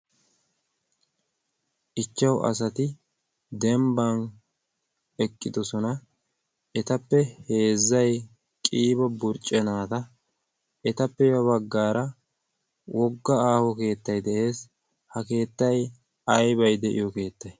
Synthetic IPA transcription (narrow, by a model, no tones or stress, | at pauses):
ʔɪt͡ʃːɐwʔɐ̰sɐt̪ɪ | d̪ɛmbɐn | ɛkʼːɪd̪ɔsɔnɐ | ɛt̪ɐpːɛhe̞ːzːɐj | kʼiːbɐbʊɾt͡ʃʼːɛnaːt̪ɐ | ɛt̪ɐpːɛjɐbɐɡːaːɾɐ | wʔɔɡːɐaːhɔke̞ːt̪ːɐjd̪ɛʔe̞ːs | hɐke̞ːt̪ːɐj | ɐjbɐjd̪ɛʔɪ̰jɔke̞ːt̪ːɐj